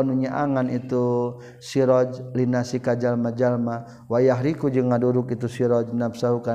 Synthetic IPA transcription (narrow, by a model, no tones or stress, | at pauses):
nuɲaʔaŋanit̪u | siɾɔd͡ʒlinasikad͡ʒalmad͡ʒalma | wajaɦɾikud͡ʒəŋaduɾukit̪usiɾɔd͡ʒnap̚sauka